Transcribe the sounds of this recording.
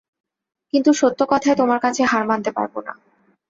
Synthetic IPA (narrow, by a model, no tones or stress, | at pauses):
kint̪uʃot̪ːokɔt̪ʰaet̪omaɾkat͡ɕʰeɦaɾmant̪epa̰ɾbo̰na̰